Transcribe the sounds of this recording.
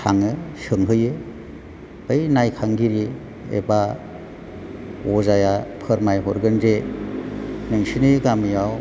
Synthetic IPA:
sʰaŋɯsɯŋɦɯjɯ | bɯjnajkʰaŋɡiɾi | ḛba | ɔzajapʰɯɾmajɦɔɾɡɯnze | nɯŋsinɯɡamijaw

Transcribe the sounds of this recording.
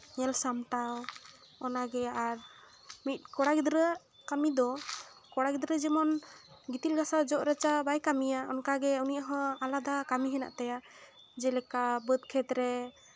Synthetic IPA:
ɲɛlsamʈaw | ɔnaɡɛaɾ | mit̪̚kɔɽaɡid̪ɾə | kamid̪ɔ | kɔɽaɡid̪ɾəd͡ʒɛmɔnɡit̪ilɡasad͡ʒɔʔɾət͡ʃabajkamijaɔnkaɡɛunijaɦɔ̃alad̪akamiɦɛna̰ʔt̪aja | d͡ʒɛlɛkabəd̪̚kʰɛt̪ɾɛ

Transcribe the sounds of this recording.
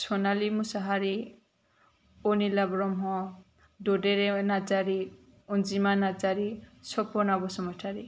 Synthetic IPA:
sʰonalimusaɦaɾi | onilabɾɔmɦɔ | ɖoɖeɾenad͡zaɾi | und͡zimanad͡zaɾisʰɔpɔnabɔsɔmɔʈʰaɾi

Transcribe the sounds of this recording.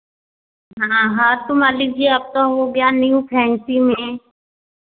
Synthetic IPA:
ɦãːɦaːɾt̪ʊmaːlik̚d͡ʒiap̚t̪aɦoɡjanijũpʰɛːnsimẽ

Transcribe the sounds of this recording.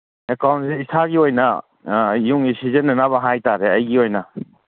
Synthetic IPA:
ekawnseitʰaɡiojnɐ | juŋisizenːɐnaβɐɦajtaɾeɐjɡiojnɐ

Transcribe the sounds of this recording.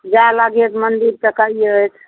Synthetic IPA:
d͡ʒalaɡet̪mənd̪iɾt̪əkaiojt̪ʰ

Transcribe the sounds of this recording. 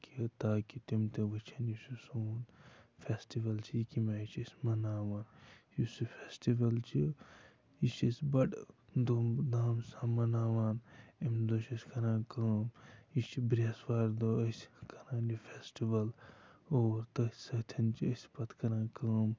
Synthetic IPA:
kʰit̪aːkit̪imt̪eʋɨt͡ʃʰɐnisʲisuːnfʰʲesʈiʋɐlt͡ʃʰiikimaːit͡ʃʰisʲmɐnaːʋaːnjisifʰeːsʈiʋɐlt͡ʃʰi | it͡ʃisbɐʈd̪oːmd̪aːmsaːmɐnaːʋaːnimd̪oːʃɐsʲkɐɾãːnkɐːmit͡ʃʰibɾesʋaːɾd̪oːəskɐɾãːndifʰʲesʈiʋɐloːɾt̪ɐsɐt̪ʰɐnt͡ʃʰiəsʲpɐt̪ʰkɐɾãːkɐːm

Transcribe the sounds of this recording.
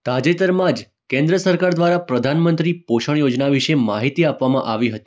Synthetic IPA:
t̪ad͡ʒet̪əɾmãd͡ʒ | kẽnd̪ɾəsəɾkaɾd̪ʋaɾapɾəd̪ʱanmənt̪ɾipoʃəɳ̃jod͡ʒnaʋiʃemaɦit̪iapʋamã̰ʔaʋiɦət̪i

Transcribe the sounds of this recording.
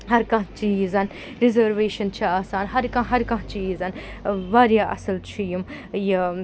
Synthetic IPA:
ɦɐɾkɐ̃ɦt͡ʃiːzɐn | ɾizɐɾʋeːʃɐnt͡ʃʰiaːsaːnɦɐɾkɐ̃ɦɐɾkɐ̃ɦt͡ʃiːzɐn | ʋaːɾjaːʔɐ̰sɐlt͡ʃʰijim | ji

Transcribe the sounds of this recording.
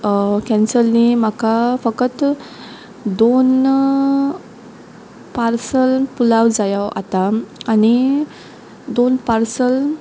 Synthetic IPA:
kɛ̃nsəlːim̤akafəkət̪ | d̪on | paɾsəlpulawd͡zajawʔa̰t̪aːni | d̪onpaɾsəl

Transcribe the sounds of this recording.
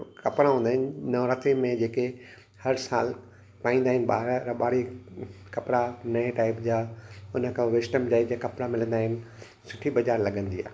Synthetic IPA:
kɐpɾãɦũːnd̪aːɦɪnɪ̆nɐɾət̪emẽd͡ʑeːke | hɐɾsaːl | paːĩːnd̪aːɦɪnɪ̆ɓa̰ːɾɾɐɓaːɽikɐpɾanɐeʈaːɪpd͡ʑaːʊnə̆kʰãʋɪsʈəmd͡ʑaːid͡ʑakɐpɾamɪlə̃nd̪aːɦɪnɪ̆ | sʊ̥ʈʰibɐd͡ʑaːɾlɐɠə̃nd̪ia̰ː

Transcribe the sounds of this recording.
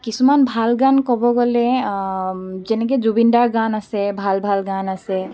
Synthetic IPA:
kisumanbʱalɡankɔbɔɡɔle | d͡ʒɛnɛked͡ʒubinɖaɾɡanasebʱalbʱalɡanase

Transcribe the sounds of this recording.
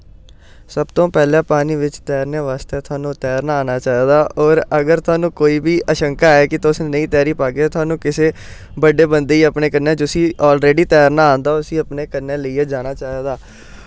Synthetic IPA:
səbt̪õːpɛːlãːpaːniːʋɪt͡ʃt̪ɛːɾneːʋaːst̪eːt̪ʰʊaːnũːt̪ɛːɾnaaːnaːt͡ʃaːeːd̪aːʔɔːɾəɡəɾt̪ʰʊaːnũːkoːiːbiːʔəʃəŋkaːɛːkɪt̪ʊsnəĩːt̪ɛːɾiːpaːɡeːt̪ʰʊaːnũːkɪseː | bəɖeːbənd̪eːiːəpneːkənːẽːd͡ʒʊsiːɔːlɾeːɖiːt̪ɛːɾnaːaːnd̪aːʊsĩːəpneːkəɾnẽːləiːeːd͡ʒaːnaːt͡ʃaːeːd̪aː

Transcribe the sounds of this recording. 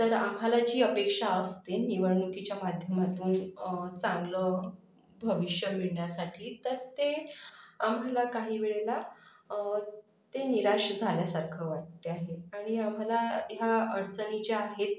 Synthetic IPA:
t̪əɾa̰mɦalad͡ʑiːəpekʂaəst̪eniʋəɾɳukit͡ɕjamad̪ʱjəmad̪uːnt͡sãŋɡlə | bʱəʋiɕjəmiɭɳjasaʈʰiːt̪əɾt̪e | amɦalakaɦiːʋeɭela | t̪eniɾaʂəd͡zʱaljasaɾkʰəʋaʈ̚t̪eaɦeaɽ̃iamɦalajaəɽt͡sənit͡ɕeaɦet̪̚

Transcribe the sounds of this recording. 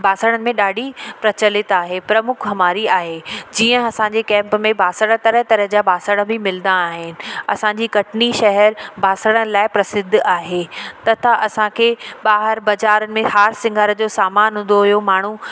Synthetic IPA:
bʱaːsəɽ̃ənɪ̆mẽɗaːɖʱipɾɐt͡ɕəlɪt̪aːɦepɾɐmʊkʰɦɐmaːɾiaːɦed͡ʑiːə̃ɐsãɲd͡ʑekɛ̃ːmpmẽbaːsəɽ̃ət̪ɐɾəɦt̪ɐɾəɦd͡ʑabaːsəɽ̃ə̆bɪmɪlnd̪aːɦɪnɪ̆ɐ̰sãɲd͡ʑiːkɐʈniʃɐɦəɾbʱaːsəɽ̃əlaːɪpɾɐsɪd̪ʱːaːɦet̪ɐt̪ʰaʔɐsãkʰeɓaːɦəɾbɐd͡ʑaːɾənɪ̆mẽhaːɾsɪ̃ŋɡʱaːɾd͡ʑoːsaːmaːnɦʊ̃ːn̆d̪oɦʊijomaːɳ̤u

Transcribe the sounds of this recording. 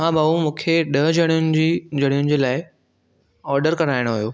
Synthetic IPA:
ɦãbɐũmũːkʰeɗɐɦd͡ʑɐɽ̃jʊnɪ̆d͡ʑiːd͡ʑɐɽ̃ijʊnɪ̆d͡ʑeːlaːɪ | ɔːɾɖəɾkɐɾaːɪɽ̃oɦjoː

